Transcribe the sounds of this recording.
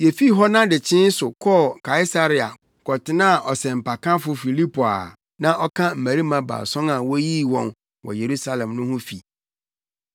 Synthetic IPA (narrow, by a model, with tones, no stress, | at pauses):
jɛ˨fi˦ɦɔ˦nã˦dɪ˨t͡ɕʰɪ̃˦n˦sʊ˨kʰɔ˦kʰa˨i˦sa˦ɾi˦a̰˨ | kʰɔ˨tɪ˦nã˦˨ʔɔ˨sɛ̃˨m̩˨pa˨kã˦fʊ˦fi˨li˦pʰo˨a̰˨ | nã˦ʔɔ˦kʰã˦m̩˨mæ˨ɾi˦mã˨ba̰˨sɔ̃˦na˨wɔ˦ji˦wɔ̃˨n | wɔ̰˨je˨ɾu˦sa˦lɛ̃˨mnʊ̃˦hʊ̃˦fi˨